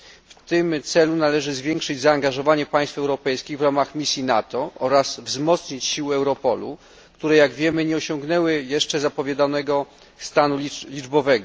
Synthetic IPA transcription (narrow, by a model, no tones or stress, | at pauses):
ft̪ɘmt̪sɛlunalɛʐɘzvʲjɛŋkʂɘd͡ʑzaːŋɡaʐɔvaɲɛpaj̃st̪fɛwɾɔpɛjskʲiɣvɾamaxmʲisʲjinat̪ɔʔɔɾasvzmɔt̪sɲit͡ɕɕiwɛwɾɔpɔlṵ | kt̪uɾɛjaɡvʲjɛmɘɲɛɔɕɔŋɡn̪ɛwɘjɛʂt͡ʂɛzapɔvʲjɛd̪anɛɡɔ | st̪anulʲid͡ʐbɔvɛɡɔ